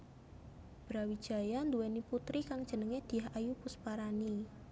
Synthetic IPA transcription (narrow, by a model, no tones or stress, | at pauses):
b̥ɾawid̥ʒ̥a̤jand̪uweniput̪ɾikaŋ̥ʒ̥ə̤nəŋed̪̥i̤aɦajupuspaɾani